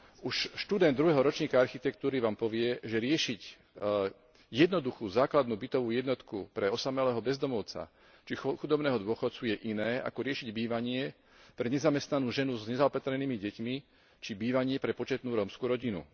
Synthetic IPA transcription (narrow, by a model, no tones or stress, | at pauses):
uʃʃt̪ud̪ɛnd̪ːɾuɦɛɦɔɾɔt͡ʃɲiːkaaɾxit̪ɛkt̪uːɾiʋaːmpɔʋɪɛʒɛɾɪɛʃic | jɛd̪nɔd̪uxuːzaːklad̪nuːbit̪ɔʋuːjɛd̪nɔt̪kupɾɛɔsamɛlɛːɦɔbɛzd̪ɔmɔʊt͡sa̰ | t͡ʃixud̪ɔbnɛːɦɔd̪ʊɔxɔt̪t͡sujɛʔinɛːa̰kɔɾɪɛʃiɟbiːʋaɲɪɛ | pɾɛɲɛzamɛst̪nanuːʒɛnuzɲɛzaɔpat̪ɾɛniːmiɟɛcmi | t͡ʃibiːʋaɲɪɛpɾɛpɔt͡ʃɛt̪nuːɾɔːmskuːɾɔɟinṵ